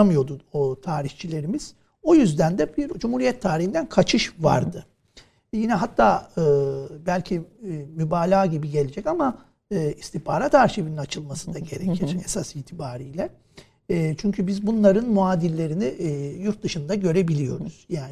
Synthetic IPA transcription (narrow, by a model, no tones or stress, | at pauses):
amɯjo̞d̪uot̪ʰaːɾiht͡ʃʰilʲe̞ɾimiz̥ | o̞jyzd̪ænd̪ɛbiɾd͡ʒumhuɾijɛt̪ʰːaːɾihind̪ænkʰat͡ʃʰɯʃva̰ɾd̪ɯ | jinɛɦat̪ʰːaːɯːbælʲcʰimybaːlʲaːɟibiɟe̞lʲed͡ʒɛcama | ɯːist̪ihpʰaːɾat̪ʰaɾʃebininat͡ʃʰɯlˠmasɯd̪aɟe̞ɾecʰiɾesasiːt̪ʰibaːɾijlʲɛ | t͡ʃʰyɲcʰybizbunlˠaɾɯnmuaːd̪ilʲːe̞ɾinijuɾt̪̚d̪ɯʃɯnd̪aɟø̞ɾe̞bilʲijo̞̰ɾṵz̥jaːn